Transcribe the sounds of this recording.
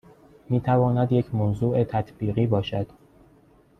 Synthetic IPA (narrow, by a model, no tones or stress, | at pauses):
miːt̪ʰævɒːnæd̪jecʰmonzuːʔet̪ʰæt̪ʰbiːɣiːbɒːʃæd̪̥